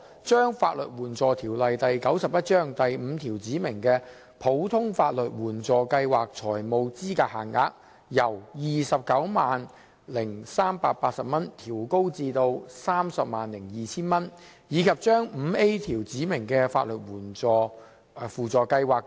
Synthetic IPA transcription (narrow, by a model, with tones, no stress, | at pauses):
t͡ʃœː˥ŋfa̰ː˧t̚lɵ̰˨t̚wuː˨˩nt͡sɔː˨t̪ʰiː˨˩wlɐ˨jt̪ɐ˨jkɐ˨˥wsɐ˨p̚jɐ˥t̚t͡ʃœː˥ŋt̪ɐ˨jm̩ː˨˧t̪ʰiː˨˩wt͡siː˨˥mɪ˨˩ŋkɛː˧ | pʰo˨˥wt̪ʰʊ˥ŋfaː˧t̚lɵ˨t̚wuː˨˩nt͡sɔː˨kɐ˧jwaː˨˩k̚t͡sʰɔː˨˩jmo˨˧wt͡siː˥kaː˧haː˨˩ŋa̰ː˧k̚ | jɐ˨˩wjiː˨sɐ˨p̚kɐ˨˥wmaː˨n | lɪ˨˩ŋsaː˥mpaː˧t̚paː˧t̚sɐ˨p̚mɐ˥nt̪ʰiː˨˩wko˥wt͡siː˧t̪o˧wsaː˥msɐ˨p̚maː˨nlɪ˨˩ŋjiː˨t͡sʰiː˥nmɐ˥njiː˨˧kʰɐ˨p̚t͡ʃœː˥ŋm̩ː˨˧e˥t̪ʰiː˨˩wt͡siː˨˥mɪ˨˩ŋkɛː˧faː˧t̚lɵ˨t̚wuː˨˩nt͡sɔː˨˧ | fuː˨t͡sɔː˨˩kɐ˧jwaː˨˩k